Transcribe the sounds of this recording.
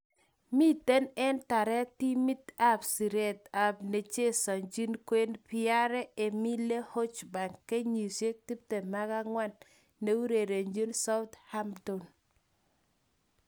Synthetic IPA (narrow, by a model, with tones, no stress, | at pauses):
mi˦te˦nɛ˦nta˨ɾɛ˦ti˦mi˦t̪a˦psi˨ɾe˦˨t̪a˨bne˨t͡ʃe˦sɔ˨ɲd͡ʒi˦nkwe˦npɪ˦a˦ɾɛ˦e˨mi˦le˦ho˦t͡ʃba˨ŋkːe˦ɲi˨sje˦k̚t̪i˦p̚te˨ma˦ka˦ŋwa˦nː | e˦wu˦ɾe˨ɾe˨ɲd͡ʒi˦nsa˦ʊ˦t̪ha˦mdo˨n